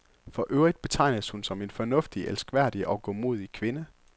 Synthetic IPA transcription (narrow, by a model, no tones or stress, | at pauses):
fɒ̽ʔøʊʁid̥̚b̥e̝t͡sʰɑ̈ɪ̰nəshunsɒ̽me̝nfɒ̽nɔ̽fd̥iʔelsɡ̥ʋæɐ̰d̥iʔɒ̽ɡ̥ɔ̰mo̝ð̞̰ˠikʰʋe̝nə